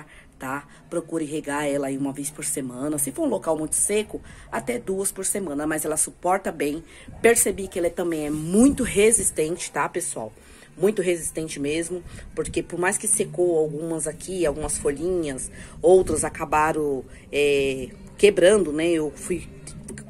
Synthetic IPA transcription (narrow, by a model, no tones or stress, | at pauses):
t̪a | pɾokuɾɪɦeɡaɾɛlɐaiũmɐvespoɾsemɐ̃nɐsɪfoɾũlokawmũj̃t̪ʊ̥sekʊat̪ɛd̪uɐspoɾsemɐ̃nɐmajzɛlɐsupɔɾt̪ɐbẽj̃ | peɾsebikɪɛlɛt̪ɐ̃mbẽj̃ɛmũj̃t̪ʊɦezist̪ẽnt͡ʃɪ̥t̪apesua̰w | mũj̃t̪ʊɦezist̪ẽt͡ʃɪmezmʊpoɾkepoɾmajskɪsekowawɡũmɐzakʰiawɡũmɐsfoʎĩɲɐsowt̪ɾɐzakabaɾõ | ɛ | kebɾɐ̃nd̪ʊnɛewfuj